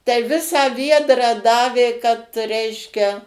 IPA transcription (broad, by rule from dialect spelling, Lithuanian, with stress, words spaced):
tɐɪ ˈʋʲɪsɑː ˈʋʲiɛdrɑː ˈdɑːʋʲeː kɐt ˈrʲɛɪʃʲkʲɛ